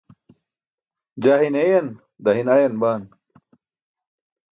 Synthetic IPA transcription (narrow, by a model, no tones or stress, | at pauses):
d͡ʑaɦinejɐn | d̪ɐɦinajɐnbaːn